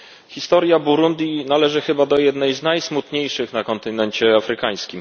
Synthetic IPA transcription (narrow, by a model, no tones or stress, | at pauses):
xʲist̪ɔɾjabuɾund̪ʲjinalɛʐɘxɘbad̪ɔjɛd̪nɛjznajsmut̪ɲejʂɘxnakɔnt̪ɘnɛnt͡ɕɛafɾɘkaj̃skʲim